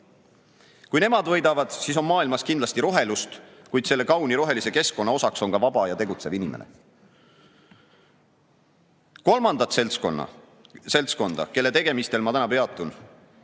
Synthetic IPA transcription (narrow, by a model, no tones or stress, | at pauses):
kujne̞mɑd̪vɤ̞jd̪ɑvɑd̪̥siso̞nmɑːilmɑskind̪lɑst̪iɾo̞ɦe̞lust̪kujd̪̥se̞lːe̞kɑwniɾo̞ɦe̞lise̞ke̞sko̞nːɑo̞sɑkso̞nkɑvɑb̥ɑjɑt̪e̞ɡut̪se̞vinimenḛ | ko̞lmɑnd̪ɑt̪selt̪skonːɑ̰ | se̞lt̪sko̞nd̪̥ɑ̰ke̞lːe̞t̪e̞ɡ̥e̞mist̪e̞lmɑt̪ænɑpe̞ɑt̪ːˑun